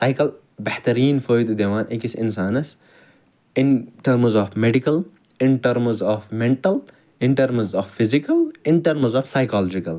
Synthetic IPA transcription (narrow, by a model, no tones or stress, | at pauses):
saːjkɐl | bɐht̪ɐɾiːnfoːjd̪d̪eʋãːnekisɪ̃nsaːnɐs | ɪnʈɐɾmzɔːfmeɖikɐl | ɪnʈɐɾmzɔːfmẽɳʈɐl | ɪnʈɐɾmzɔːfːizikɐlɪnʈɐɾmzɔːfsajkaːlɔd͡ʒikɐl